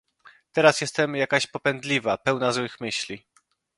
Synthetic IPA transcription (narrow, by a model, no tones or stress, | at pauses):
t̪ɛɾasjɛst̪ɛmjakaɕpɔpɛnd̪lʲivapɛwnazwɘxmɘɕlʲi